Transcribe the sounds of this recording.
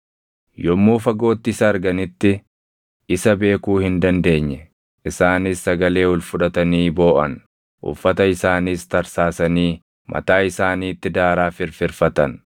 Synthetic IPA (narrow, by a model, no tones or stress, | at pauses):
jɔmːuːfɐɡo̞ːt̪ːɪsɐːɾɡɐnɪt̪ːɪ | ʔɪsɐbe̞ːkuːhɪnd̪ɐnd̪e̞ːɲːɛ | ʔɪsaːnisːɐɡɐle̞ːɔlfʊᶑɐt̪ɐniːbo̞ːʔɐn | ʔʊ̰fːɐt̪ɐɪsaːniːst̪ɐɾsaːsɐniː | mʔɐ̰t̪aːɪsaːniːt̪ːɪd̪aːɾaːfɪɾfɪɾfɐt̪ɐn